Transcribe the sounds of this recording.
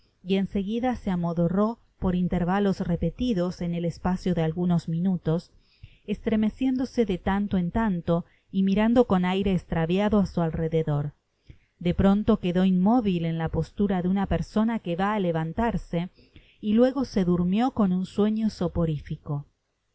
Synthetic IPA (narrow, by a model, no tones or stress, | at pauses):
ie̞nse̞ɣiðaseamoðoro̞ | po̞ɾint̪eɾβalo̞sre̞pe̞t̪iðose̞ne̞lespasjoðealɣuno̞zmĩnut̪o̞s | est̪ɾe̞me̞sje̞nd̪ose̞ðet̪ant̪oent̪ant̪o̞ | imiɾand̪o̞ko̞najɾe̞ːst̪ɾaβjaðoasualre̞ðeðo̞ɾ | d̪e̞pɾo̞nt̪o̞ke̞ðo̞inmo̞βile̞nlapo̞st̪uɾaðeunapeɾso̞nakeβaːleβant̪aɾse̞ | ilwe̞ɣo̞se̞ðuɾmjo̞ko̞nunswe̞ɲo̞sopo̞ɾifiko̞